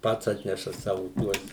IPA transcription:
ˈpɐts ˈɑːtʲnʲɛʃɐ ˈsɑːʋʊ ˈtuɔs

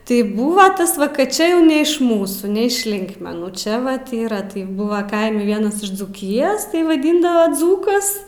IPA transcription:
tɐɪ ˈbuːʋɐ ˈtɐs ʋɐ kɐt ˈt͡ʃʲɛ jɛʊ nʲɛ ɪʃ ˈmuːsuː nʲɛ ɪʃ ˈlʲɪŋkmʲɛnuː ˈt͡ʃʲɛ ʋɐt ˈiːrɐ tɐɪ ˈbuːʋɐ ˈkɐɪmʲɛ ˈʋʲiɛnɐs ɪʃ d͡zuːˈkʲɪjoːs tɐɪ ʋɐˈdʲiːndɐʋɐ ˈd͡zuːkɐs

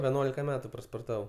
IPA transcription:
ʋʲɛˈnuɔlʲɪkɐ ˈmʲæːtʊ spoːrˈtɑːʋɐʊ

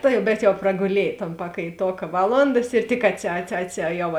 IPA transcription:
ˈtɐɪ bʲɛt jɛʊ prɐɡʊˈlʲiɛj toːn pɐkɐɪˈtoːkɐ ˈʋɑːˌlˠoːndɐs ɪr tʲɪk ɐtʲsʲɪ ɐtʲsʲɪ ɐtʲsʲɪ ˈjɛʊ

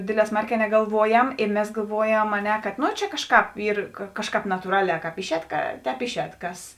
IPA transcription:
ˈdʲeːdʲˌlʲɛː ˈsmɐrʲˌkʲɛː nʲɛɡɐlˠˈʋuɔjɛm ɪ ˈmʲɛs ɡɐlˠˈʋuɔjɛm ɐ ˈnʲɛ kɐt ˈnoː ˈt͡ʃʲɛ ˈkɑːʃˌkɑːp ˈiːr ˈkɑːʃˌkɑːp nɐtuːˈrɑːˌlʲɛː ˈkɑːp ˈɪʃʲˌɛːt kɐ ˈtʲɛːp ˈɪʃʲˌɛːt ˈkɐs

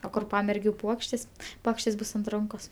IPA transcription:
oː ˈkʊr ˈpɑːmʲɛrʲɡʲʊ ˈpuɔkʃʲtʲeːs ˈpuɔkʃʲtʲeːs ˈbʊs ɐnt ˈrɐŋkoːs

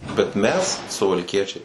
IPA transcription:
bʲɛt ˈmʲɛs sʊʋɐlʲˈkʲiɛt͡ʃʲɛɪ

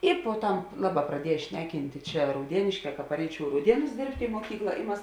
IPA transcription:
ˈɪ poːˈtɐm ˈlˠɑːˌbɑː prɐˈdʲiɛj ˈʃʲnʲæːˌkʲɪnʲtʲeː ˈt͡ʃʲɛ rɐʊˈdʲiɛnʲeːʃʲkʲɛː kɐ pɐˈrʲɛɪt͡ʃʲɛʊ ɪ rɐʊˈdʲiɛnʊs ˈdʲeːrʲpʲtʲeː ɪ muɔˈkʲiːklˠɐ ɪ ˈmɐs

